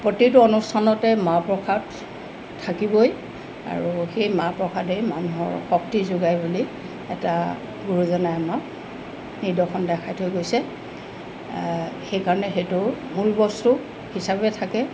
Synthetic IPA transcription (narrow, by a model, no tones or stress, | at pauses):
pɹotitʊɔnustʰanɔtɛmapɹɔkʰatʰː | akibɔj | a̰ɹuxejmapɹɔkʰadɛjmanuɦɔ̰ɹxɔk̚tizʊɡajbuli | ɛta | ɡuɹuzɔnajanɔ | nidɔxʰɔndɛkʰajtʰojɡojsɛ | xejkaɹɔnɛxetʊmulbɔstu | hisabɛtʰakɛ